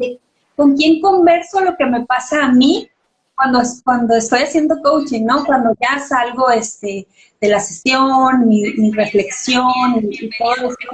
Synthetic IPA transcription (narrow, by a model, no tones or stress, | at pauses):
e | ko̞ŋkje̞ŋko̞mbe̞ɾso̞lo̞ke̞me̞pasaːmi | kwand̪oskwand̪o̞e̞st̪o̞jasje̞nd̪o̞kowt͡ʃiŋno̞kwand̪o̞ʝasalɣo̞e̞st̪e̞ | ð̥e̞lasesjonmimire̞fle̞ksjo̞niːt̪o̞ðoeso